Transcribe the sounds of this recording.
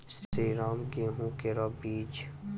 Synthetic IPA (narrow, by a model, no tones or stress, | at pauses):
siɾaːmɡeɦũkeɾabiːt͡ʃ